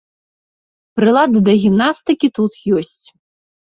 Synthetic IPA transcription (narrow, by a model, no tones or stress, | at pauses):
pɾɨlˠad̪ɨd̪ɐɣʲimnast̪ɨkʲit̪ut̪jɔsʲt͡sʲ